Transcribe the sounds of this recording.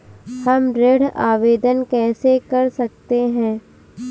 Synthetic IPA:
hɐmɾeːɽ̤aːʋeːd̪ənkɛːsekɐɾsɐk̚t̪eɦɛ̃ː

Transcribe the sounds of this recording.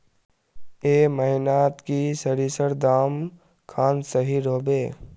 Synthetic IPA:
eːməɦɪnaːt̪kisəɾiːsəɾd̪aːm | kʰaːnsəɦiɾoːbeː

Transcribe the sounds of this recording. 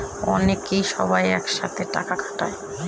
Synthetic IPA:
ɔ̰nekejʃɔ̰bajɛkʃa̰t̪ʰeʈa̰kakʰḁʈa̰e

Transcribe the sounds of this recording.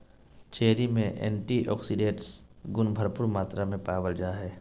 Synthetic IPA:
t͡ʃeːɾimẽʔɛ̰̃ːɳʈiʔɔ̰ːksiɖẽːʈsɡʊnbʱɐɾpʊɾmaːt̪ɾamẽpaːʋəld͡ʒaːɦɛː

